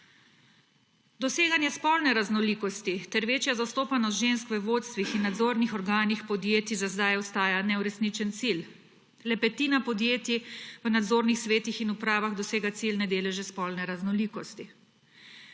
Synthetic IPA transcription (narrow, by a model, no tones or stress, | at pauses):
d̪ɔseːɡanjɛspɔlnɛɾaznɔliːkɔst̪it̪ɛɾʋeːt͡ʃjazast̪oːpanɔst̪ʒenskʋəʋoːt̪st̪ʋixinːad̪zoːɾnixɔɾɡaːnixpɔd̪jeːt̪izazd̪ajɔst̪aːjanɛuɾɛsnit͡ʃɛnt̪sil | lɛpɛt̪iːnapɔd̪jeːt̪iʋənad̪zoːɾnixsʋeːt̪ixinupɾaːʋaɣd̪ɔseːɡat̪silnɛd̪eːlɛʒɛspɔlnɛɾaznɔliːkɔst̪i